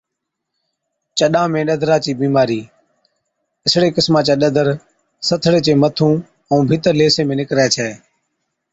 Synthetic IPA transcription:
t͡ʃəɗãːmẽːɗəd̪ʱɾaːt͡ʃiːbiːmaːɾiː | ɪsɽeːkɪsmãːt͡ʃãːɗəd̪əɾ | sət̪ʰɽeːt͡ʃeːmət̪ʰũː | ə̃ːbʱiːt̪əɾleːseːmẽːnɪkɾɛːt͡ʃʰɛː

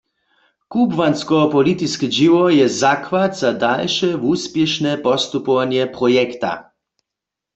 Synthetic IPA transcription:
kubvanskɔpɔlit̪iskiʒiʋɔjɛzakʋat̪z̥ad̪alʃɛvuspjɛʃnɛpɔst̪upɔʋanjɛpʁɔjɛkt̪a̰

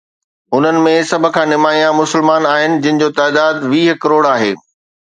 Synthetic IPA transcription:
ʊn̤ənɪ̆mẽsɐbʱʊ̆kʰãːnɪmaːijãmʊsɪlmaːnaːɦɪnɪ̆d͡ʑɐɪ̃ɦɪ̃̆d͡ʑoːt̪aːd̪aːd̪ʋiːɦkɐɾoːɽaːɦḛː

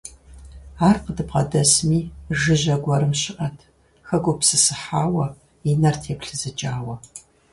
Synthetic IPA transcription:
aːrqədɨpqɐdɐsmiːʒɨʑɐɡʷɐɾɨmɕɪʔɐtʰ | xɐɡʷʊpsɨsɨħaːwɐ | inɐrtʰɛpɬɨzɨt͡ʃʼaːwɐ

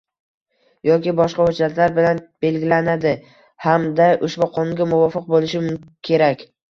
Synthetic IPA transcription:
jɒkʲɪbɒʃqɑhʊd͡ʒat̪laɾbɪlanb̥e̞lɡʲɪlanad̪ɪ | hamd̪aʔʊʃbʊqʰɒnŋɡʲamʊvɒfɨq̚bolɪʃɪmkʲʰe̞ɾakʲ

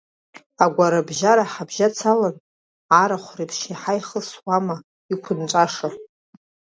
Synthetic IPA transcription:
aɡʷaɾabʒaɾaħabʒat͡sʰalan | aɾaχʷripʰʂiħajχəswama | ikʷʰʊnt͡ʃʷʼaʂa

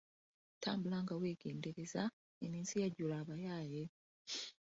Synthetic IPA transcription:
ta̰ːmbulaŋɡaweːɡeːndeɾe̞za | emiːnsijaɟulaβajaːje̞

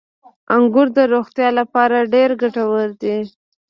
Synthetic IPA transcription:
aŋɡʊɾd̪əɾoxt̪jɑlapɑɾaɖeɾɡaʈawəld̪i

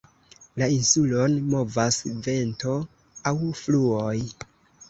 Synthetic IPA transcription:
lainsulo̞nmo̞vasve̞nto̞ | awfluoj

